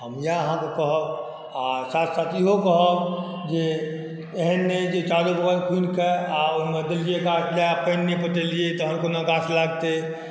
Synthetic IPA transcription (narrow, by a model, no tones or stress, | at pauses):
ɦəmjaɦãkokəɦə | asaːt̪ʰsaːt̪jiɦokəɦək | d͡ʒe | eɦənːed͡ʒet͡ʃalubəɣəɾkʰunkeaʊnmed̪ɪld͡ʒiekaːt͡ʃʰlaapenːepəʈ̪eliet̪ɔɦə̃mkonaɡaslaɡt̪e